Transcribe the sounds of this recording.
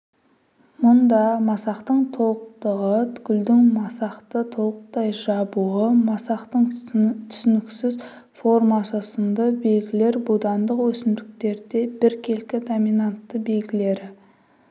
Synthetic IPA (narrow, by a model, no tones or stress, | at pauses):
mʊnd̪ɑmɑsɑqt̪əɴt̪ʰo̞lˠəqt̪əʁət̪ʰʏ̥ɡʲʏld̪ɪŋmɑsɑqt̪ət̪ʰo̞lˠəq̚t̪ɑjʒɑbuəmɑsɑqt̪əɴt̪ʰʏ̥sʏnɪksɪz | fo̞ɾmɑsəsənd̪əbe̞lɡʲɪle̞ɾbud̪ɑnd̪əqwɵsɪmd̪ɪk̚t̪e̞ɾd̪e̞bɪɾkʲʰe̞lkʲɪd̪omijnant̪ːəbe̞lɡʲɪle̞ɾɪ